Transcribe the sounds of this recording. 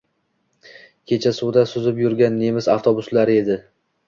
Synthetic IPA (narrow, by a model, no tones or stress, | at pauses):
kʲʰe̞t͡ʃʰasʊwd̪asʊzɪpjʊɾɡʲanːe̞mɪzaft̪ʰobʊslaɾɪe̞d̪ɪ